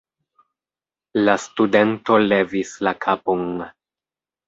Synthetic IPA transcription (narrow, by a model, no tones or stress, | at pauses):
lastude̞nto̞le̞vislakʰapon